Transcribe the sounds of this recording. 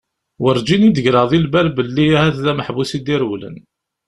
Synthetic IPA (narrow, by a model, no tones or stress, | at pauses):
wəɾd͡ʒinid̪əʝɾɑðˤilbæɾbəlːiæhæθðæməħbusid̪iɾwlə̰n